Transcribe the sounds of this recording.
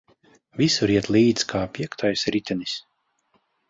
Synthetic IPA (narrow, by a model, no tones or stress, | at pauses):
visuɾiɛt̪lˠiːd̪skʰaːpʲiɛkt̪ʰajsɾit̪ʲɛnis